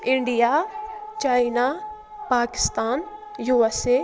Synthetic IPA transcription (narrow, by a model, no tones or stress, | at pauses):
ɪ̃ɳɖijat͡ʃaːina | paːkɪ̥st̪aːnjuase